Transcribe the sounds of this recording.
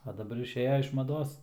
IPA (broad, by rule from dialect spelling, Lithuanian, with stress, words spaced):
ɐ dɐˈbɐr ɪʃʲˈeːjɛ ɪʃ mɐˈdoːs